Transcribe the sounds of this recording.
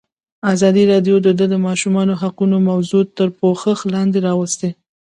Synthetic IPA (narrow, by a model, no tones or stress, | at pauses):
azɑd̪iɾɑɖjod̪əd̪əd̪əmɑʃumɑnoɦaqunomawzut̪ːəɾpoxəxlɑnd̪eɾɑwəst̪e